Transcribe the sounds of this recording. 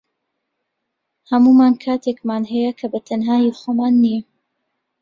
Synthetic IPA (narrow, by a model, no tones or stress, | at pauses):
hɐmumaːnkʰaːt̪ʰekmaːnɦɛjɐkʰɐbɐt̪ʰɐnɦaːjixomaːnːiɛ